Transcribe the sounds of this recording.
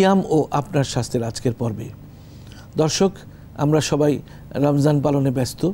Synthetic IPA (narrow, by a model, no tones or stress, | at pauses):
amoʔapnaɾʃast̪ʰeɾad͡ʑkeɾpɔɾbḛ | d̪ɔɾʃok | a̰mɾaʃɔbaj | ɾamd͡ʑanpalonebɛst̪o